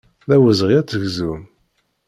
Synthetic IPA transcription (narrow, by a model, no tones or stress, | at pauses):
ðæwəzʁjæt͡sːəɡzum